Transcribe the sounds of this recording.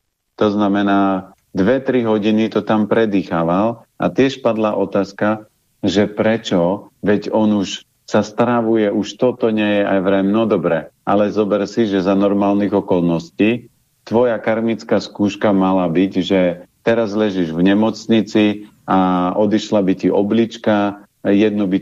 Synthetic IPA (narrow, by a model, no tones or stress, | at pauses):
t̪ɔznamɛnaː | d̪ʋɛt̪ɾiɦɔɟinit̪ɔt̪ampɾɛd̪ixaːʋal | a̰t̪ɪɛʃpad̪laʔɔt̪aːska | ʒɛpɾɛt͡ʃɔʋɛɟɔnuʃ | sast̪ɾaʋujɛʔuʃt̪ɔt̪ɔɲɛjɛʔajʋɾɛmnɔd̪ɔbɾɛʔalɛzɔbɛɾsiʒɛzanɔɾmaːlniɣɔkɔlnɔsciː | t̪ʋɔjakaɾmit͡skaskuːʃkamalabicʒɛt̪ɛɾazlɛʒiʒvɲɛmɔt͡sɲit͡si | aɔd̪iʃlabiciʔɔblit͡ʃka | jɛd̪nɔbi